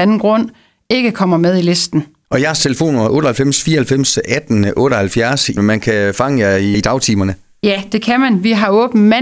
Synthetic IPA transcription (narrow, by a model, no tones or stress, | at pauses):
ænn̩ɡ̥ʁɔ̽n̰ | e̝ɡ̥əkʰɒ̽m̰ɐmeð̞ˠile̝sd̥n̩ | ʔɒ̽jæɐst͡sʰe̝ləfo̝̰ːnomɐʔɔ̽ːɾ̥ɐhælfem̰sfiːɐhælfem̰sæd̥n̩ʔɔ̽ːɾ̥ɒhælfjæɐsimænkʰæfɑ̈ŋəjɑid̥ɑ̈ʊt͡sʰiːmɐnə | jæd̥e̝kʰæmænʋiɦɑ̈ɔ̽ːb̥n̩mæ